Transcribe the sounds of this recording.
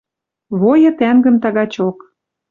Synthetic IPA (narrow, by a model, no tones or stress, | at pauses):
βojɤ̆t̪æŋɡə̆mt̪ɑɣɑt͡ɕok